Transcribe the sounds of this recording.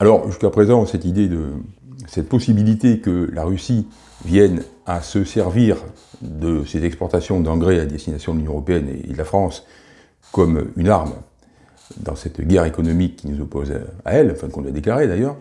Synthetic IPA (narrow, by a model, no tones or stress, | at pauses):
alɔʁʒyskapχezɑ̃sɛt̪id̪ed̪əsɛt̪əpɔsibilit̪ekəlaʁysi | vjɛn | asəsɛʁviʁ | d̪əsezɛkspɔʁt̪asjɔ̃d̪ɑ̃ɡʁead̪ɛst̪inasjɔ̃d̪əlynjɔ̃əʁɔpeɛnḛd̪əlafχɑ̃s | kɔmynaʁm | d̪ɑ̰̃sɛt̪ɡʲɛʁekɔnɔmikːinuzɔpoza̰ɛlɑ̃fɛ̃kɔ̃lɥad̪eklaʁed̪ajœːʁ